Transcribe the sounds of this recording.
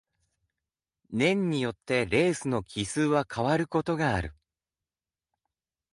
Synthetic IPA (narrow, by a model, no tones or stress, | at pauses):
nẽ̞ɲ̟ːijo̞t̪ːe̞ɾe̞ːsɨno̞kʲʰisɨːβakʰaβaɾɯ̟ko̞t̪o̞ɡaːɾɯ̟